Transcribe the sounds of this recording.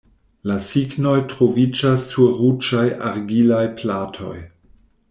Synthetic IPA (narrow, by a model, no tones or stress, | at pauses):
lasiɡno̞jtɾovid͡ʒasːuɾud͡ʒajʔa̰ɾɡilajplatʰo̞̰j